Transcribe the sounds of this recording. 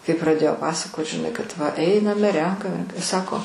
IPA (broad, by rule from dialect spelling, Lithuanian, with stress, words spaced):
kɐɪ prɐˈdʲeːjoː ˈpɑːsɐkoːt ʒʲɪˈnɐɪ kɐt ʋɐ ˈɛɪnɐmʲɛ ˈrʲɛŋkɐmʲɛ ˈsɑːkoː